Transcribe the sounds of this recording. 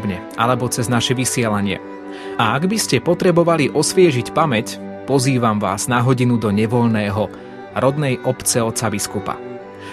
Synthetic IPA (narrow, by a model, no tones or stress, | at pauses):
bɲɛ | a̰lɛbɔt͡sɛznaʃɛʋisɪɛlaɲɪɛ̰ | aaɡbiscɛpɔt̪ɾɛbɔʋaliʔɔsʋɪɛʒicpamɛc | pɔziːʋamʋa̰ːz̥naɦɔɟinud̪ɔɲɛʋɔʎnɛːɦɔ | ɾɔd̪nɛjʔɔpt͡sɛɔt͡sabiskupa̰